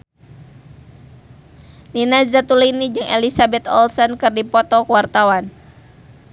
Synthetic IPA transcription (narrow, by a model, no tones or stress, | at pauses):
ninazat̪ulinid͡ʒɨŋʔɛ̰lisabɛt̪ɔ̰lsɔnkɨrdipɔt̪ɔkwart̪awan